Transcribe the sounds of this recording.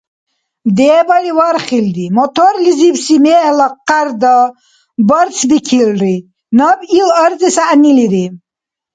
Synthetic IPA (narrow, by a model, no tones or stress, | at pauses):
md̪ɛːbalivaɾχild̪imɔt̪ʰɔɾlizibsimɛːhlaqːaɾd̪a | bəɾt͡sʰbikʰilɾi | nabilɐɾzisaʔniliɾi